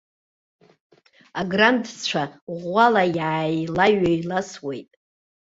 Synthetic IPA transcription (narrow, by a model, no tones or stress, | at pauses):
aɡrantʰt͡ʃʷʰaʁʷalajʕajlaɥajlaswejtʼ